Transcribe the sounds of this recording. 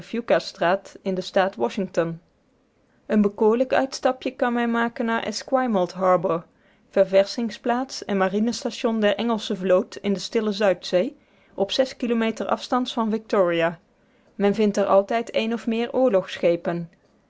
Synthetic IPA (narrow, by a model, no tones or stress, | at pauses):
fjukastraːtɪndəstaːtwɔʃɪŋtɔn | ʔənbəkʊːɹləkœ̰ɥtstɑpjəkɑnmɛnmaːkənːaːɹʔɪ̰skwajməlˠtɦɑːɹbəɹ | v̥ɛɹvɛɹsɪŋsplaːtsɛnmarinəstaʃɔndɛɹʔɛŋəlˠsəvlowtɪndəstɪləzœɥtsej | ʔɔpsɛskilomejtəɹʔɑ̰fstɑntfɑnvɪk̚tʊːɹijaː | mɛnvɪntəɹʔɑlˠtɛjtʰejnɔfmɪːɹʔʊːɹlɔχsxejpən